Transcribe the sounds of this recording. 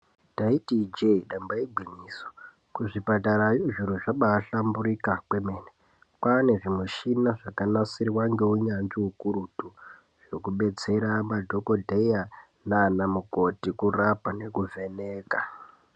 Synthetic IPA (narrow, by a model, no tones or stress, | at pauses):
taitid͡ʒeɗambaiɡʱiniːso̥ | kuʐipataɾajoʐiɾoʐaɓaːɬambuɾikakweme̞ːne | kwane̞ʐimuʃinaʐakanasiriwaŋɡe̞uɲanʐiukuɾutu | ʐ̥o̞kuɓe̞t͡se̞ɾamadʱo̞ko̞dʱeja | nanamukotikurapane̞kuve̞neːka